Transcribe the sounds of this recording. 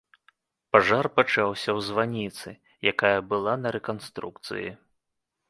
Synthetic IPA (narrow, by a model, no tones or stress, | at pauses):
paʐarpat͡ʂawsʲɐwzvanʲit̪sɨ | jakajɐbɨlˠanɐɾɛkanst̪ɾukt̪sɨ̰jḭ